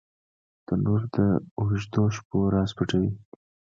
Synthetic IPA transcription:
d̪̥ənoɾd̪əʊʒd̪oʃpoɾɑspəʈawi

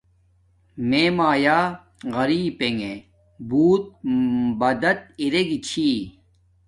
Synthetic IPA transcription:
meːmaːjaː | ɣɐɾiːpeŋɡe | buːt̪̚bɐd̪ɐt̪̚iɾeɡit͡ɕʰiː

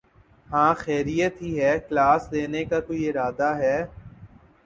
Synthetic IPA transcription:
hãːxɛːɾijət̪ɦiɦɛːklaːsleːnekakoːiɪɾaːd̪aɦɛː

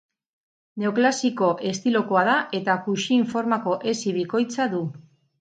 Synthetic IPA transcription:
ne̞oklasiko̞ʔe̞st̪ilo̞koað̞aʔe̞t̪akuʃiːɱfo̞ɾmako̞ʔe̞siβ̞iko̞jt͡saðu

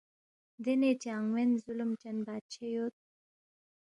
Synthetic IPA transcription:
nd̪enet͡ɕaaŋwenzulumt͡ɕanbat͡ɕʰejot̪̚

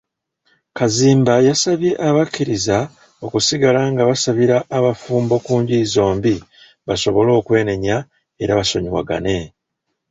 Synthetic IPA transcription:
kaziːmbajasaβje̞ʔaβakːiɾiza | o̞kusiɡalaŋɡaβasaβiɾaːβafuːmbo̞kuːɲɟiːzo̞ːmbi | βaso̞βo̞lo̞ːkwe̞ːne̞ɲa | e̞ɾaβaso̞ɲiwa̰ɡa̰ne̞

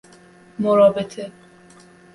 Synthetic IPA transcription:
moɾɒːbet̪ʰe

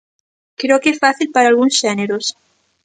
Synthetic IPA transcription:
kɾeokesfaθilpaɾaːlɣunsʃeneɾos

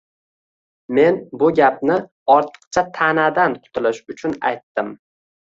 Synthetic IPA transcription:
me̞nbʊɡʲapnɪ | ɒɾt̪ʰə̥q̚t͡ʃʰat̪ʰanad̪ankʰʊ̥t̪ʰɪlɪʃʊt͡ʃʰʊna̰jt̪ːɪm

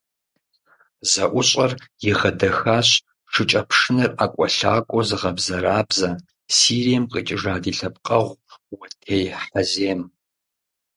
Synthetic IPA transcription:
zɐʔʷʊɕʼɐrjɪʁɐdɐxaːɕ | ʈ͡ʂʰɨt͡ʃʼɐpʰʂɨnɨraːkʷʼɔɬaːkʷʼɔzɨʁɐbzɐɾaːbzɐ | siːrijɛmqʼit͡ʃʼɪʐaːdiːɬɐp̚qʼɐʁʷwɐtʰeːjħɐzeːm

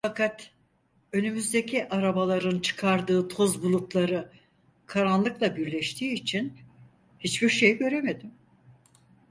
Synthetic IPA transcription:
fakʰat̪ | ø̞nymyzd̪e̞cʰiʔaɾabalˠaɾɯnt͡ʃʰɯ̥kʰaɾd̪ɯːt̪ʰo̞zbulˠut̪lˠaɾɯ | kʰaɾanlˠɯklˠabiɾlʲɛʃt̪ʰiːt͡ʃʰin | hit͡ʃb̥iɾʃe̞jiɟø̞ɾe̞me̞d̪im

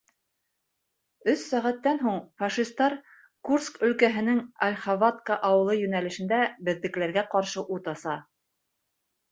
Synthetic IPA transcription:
ɵsːæʁæt̪ːænɦuɴfɑʃist̪ɑɾ | kurskɵ̆lkæɦɘ̆nɘŋalʲχavat̪kəʔɑwɤ̆lˠɤjɵ̆nælɘ̆ʃɘ̆nd̪æbɘ̆ðːɘ̆klæɾɡæqɑɾʃɤʔut̪ɑsɑ

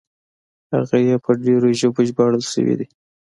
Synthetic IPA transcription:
ha̰ɣajepʰəɖeɾoʒoboʒbɑɽəlʃə̰wḭd̪i

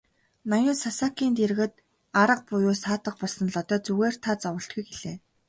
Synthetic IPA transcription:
nɔjʊːsasaːkiːnt̪er̆ɣɘ̆t̪ | aɾə̆q̚pʊjʊːsaːt̪ə̆q̚pɔɮsə̆nɮɔt̪ɔːt͡suɣeːr̥t̪ʰaːt͡sɔwə̆ɬt̪ɡujɡeɮeː

